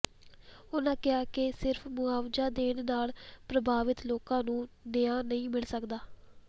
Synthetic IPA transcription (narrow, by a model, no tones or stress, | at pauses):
ʊnãːkɪaːkɪsɪɾfʰmʊaːʋd͡ʒaːd̪eːnnaːlpɾəbʱaːʋɪt̪loːkãːnũːnɪãːnəĩːmɪlsəkd̪aː